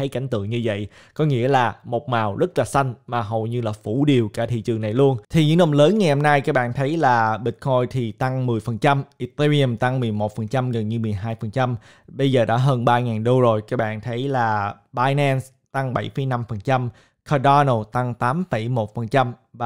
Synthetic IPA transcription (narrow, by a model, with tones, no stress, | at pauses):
t̪ʰə˨˦jka̰˧˩jŋ̟t̪ɨ̰˧˨əŋɲɨ˧və̰˧˨jʔ | kɔ˨˦ŋḭ˧˥əlaː˨˩mo˨˩t̚maː˨˩wzə˦˥t̚laː˨˩sa˧jŋ̟maː˨˩ɦo˨˩wjɲɨ˧laː˨˩fu˧˩ɗi˨˩əwkaː˧˩t̪ʰḭ˧˨t͡ɕɨ˨˩əŋna˨˩jlu˧ənt̪ʰi˨˩ɲɨ̰˧˥ŋnə˧˩wləː˨˦nŋa˨˩jho˧mna˧jkaː˦˥k̚ɓa̰ː˧˨nt̪ʰə˨˦jlaː˨˩ɓï˨˩t̟̚kʰo˧jt̪ʰi˨˩t̪a˧ŋmɨ˨˩əjfə˨˩nt͡ɕa˧mʔi˧t̪a˧li˧ə˧˩mt̪a˧ŋmɨ˨˩əjmo˨˩t̚fə˨˩nt͡ɕa˧mɣə˨˩nɲɨ˧mɨ˨˩əjɦaː˧jfə˨˩nt͡ɕa˧m | ɓə˧jzəː˨˩ɗa̰ː˧˥ɦəː˧nɓaː˧ŋaː˨˩nɗo˧zo˨˩jkaː˦˥k̚ɓa̰ː˧˨nt̪ʰə˨˦jlaː˨˩ | ɓaː˧jnɛ˧ns | t̪a˧ŋɓa˧˩jfə˨˩˦jna˧mfə˨˩nt͡ɕa˧m | kʰa˧ɗa˧no˧˩t̪a˧ŋt̪aː˨˦mfə˧˩jmo˨˩t̚fə˨˩nt͡ɕa˧mvaː˨˩